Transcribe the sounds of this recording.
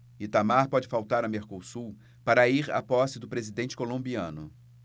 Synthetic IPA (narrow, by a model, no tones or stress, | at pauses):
ɪt̪amaɾpɔd͡ʒɪfawt̪aɾɐmeɾkosuw | paɾɐiɾa̰pɔsɪd̪ʊpɾezid̪ẽnt͡ʃɪ̥kolõbiɐ̰̃nʊ